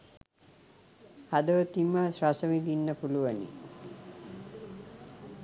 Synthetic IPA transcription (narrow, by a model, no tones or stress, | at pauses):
had̪əʋət̪iməswasəmid̪inːəpuluʋənḭ